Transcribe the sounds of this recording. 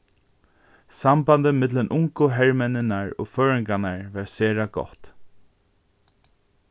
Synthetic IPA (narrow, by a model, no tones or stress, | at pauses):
sambant̪əmɪt̪lənʔʊŋkʊɦɛɹmɛnɪnaɹo̰ːføːɹɪŋkanaɹʋaɹseːɹaɡɔ̰ht̪